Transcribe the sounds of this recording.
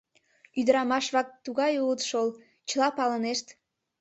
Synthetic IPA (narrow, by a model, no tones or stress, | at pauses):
yd̪əɾɑmɑʃβɑk̚t̪ːuɣɑjulət̪ʃol | t͡ɕəlɑpɑləneʃt̪